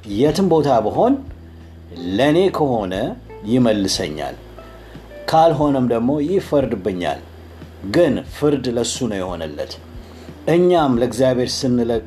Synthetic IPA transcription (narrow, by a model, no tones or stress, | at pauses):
jɛt̪ʰɨmbo̞t̪ʰabəɦo̞n | ləne̞kʰəho̞nə | jɪməlːɨsə̰ɲːa̰l | kʰalɦo̞nəmd̪əɡmo̞jɪfəɾd̪ɨbːɨɲːa̰l | ɡɨnfɨɾd̪ləsːunəwjɛho̞̰nɨ̰lːə̰t̪ | ʔɨɲːamləɡzjaβhe̞ɾsɨnːɨlə